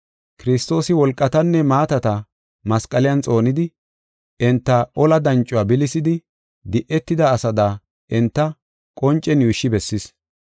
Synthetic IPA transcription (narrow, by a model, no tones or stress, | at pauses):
kɪɾɪst̪o̞ːsɪwɔlkʼːɐt̪ɐnːɛmaːt̪ɐt̪ɐ | mɐskʼɐlɪjɐnt͡sʼo̞ːnɪd̪ɪ | ɛnt̪ːɐʔɔlɐd̪ɐnt͡ʃʼːʊwaːbɪlɪsɪd̪ɪ | d̪ɪʔɛt̪ːɪd̪ɐːsɐd̪aː | ʔɛnt̪ːɐ | kʼɔnt͡ʃʼːɛnjuːʃːɪbɛsːɪs